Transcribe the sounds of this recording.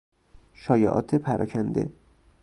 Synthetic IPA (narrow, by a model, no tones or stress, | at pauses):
ʃɒːjḛʔɒ̰ːt̪ʰepʰæɾʔɒ̰ːcʰænd̪ḛ